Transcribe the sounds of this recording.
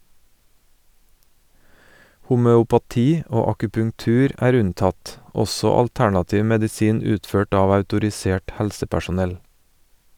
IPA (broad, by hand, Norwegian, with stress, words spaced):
hʊmœʊpɑˈtiː ˈoː ɑkʉpʉŋˈtʉːɾ ˈæːɾ ˈʉnˌtɑt ˈɔsɔ ɑlˈtæɳɑˌtiːʋ mɛdɪˈsiːn ˈʉːtˌføːʈ ˈɑːʋ ɑʉtʊɾɪˈseːʈ ˈhɛlsəpæʃʊˌnɛl